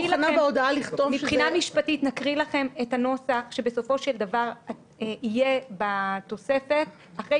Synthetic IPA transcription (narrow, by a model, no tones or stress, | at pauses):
ilnabeod̪aaliχt̪ovmiʃχinamiʃpatitnakʁilaχe̞methano̞saχʃe̞beso̞fo̞ʃeldavaʁa | ijebat̪o̞se̞fe̞t | aχʁe